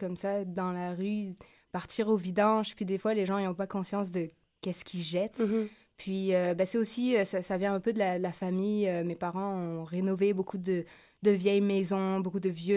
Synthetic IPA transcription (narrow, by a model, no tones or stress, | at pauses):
kɔmsad̪ɑ̃laʁy | paʁt̪ʰiʁovid̪ɑ̃ʒpɥid̪efwaleʒɑ̃ejɔ̃pakɔ̃sjɑ̃s̬d̪ə | kʲɛskʲiʒɛt̪ | pɥiøbasɛt̪osiøsasavjɛ̃ɛ̃pød̪əlad̪əlafamijømepaʁɑ̃ɔ̃ʁenɔvebokʰud̪ə | d̪əvjɛjmɛzɔ̃bokud̪əvjø